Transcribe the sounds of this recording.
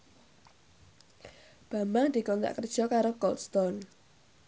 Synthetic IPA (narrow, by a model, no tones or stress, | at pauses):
b̥a̤mbaŋd̪̥i̤kɔnt̪a̰ʔkərd̥ʒ̥ɔ̤kaɾokɔlt̪st̪ɔn